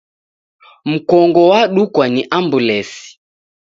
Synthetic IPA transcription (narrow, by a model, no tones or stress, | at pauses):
m̩kɔŋɡɔwaɗukwaniʔambulɛsi̥